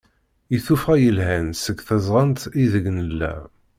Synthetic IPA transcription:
iθufʁæjəlɦænsəɡθæzˤʁənt̪iðəɡnəlːæ̰

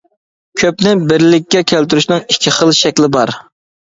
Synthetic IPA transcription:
kʲʰøp̚nɪbɪɾlɪk̚ʲːɛkʲʰælt̪yɾyʃnɨŋikʲʰːiχəlˠʃɛkʲlɪbɑɾ

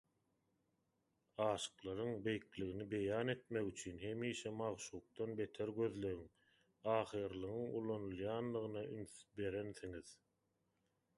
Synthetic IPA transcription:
ɑːʃɯ̥qlˠɑɾɯŋbe̞jkliɣinibe̞jɑːne̞t̪me̞ɣyt͡ʃʰyːnɦe̞miːʃemɑʁʃuːq̚t̪ɑnbe̞t̪ʰeɾɡø̞ðlø̞ɣiŋ | ɑːχɯːɾlˠɯʁɯŋulˠɑnulˠjɑːnd̪ɯʁɯnɑynθbe̞ɾe̞nθiŋið

